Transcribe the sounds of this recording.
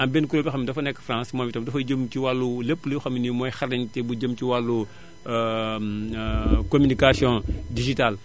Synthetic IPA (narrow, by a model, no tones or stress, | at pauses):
ɐmbenkuɾobixɐmidɐfɐnɛkːfrãːsmɔːmbitɐmdɐfɐɟəmtiwalːulepːlixɐminimɔjxɐɾɐntɛbuɟəmciwalːu | komynikasjɔ̃diʒital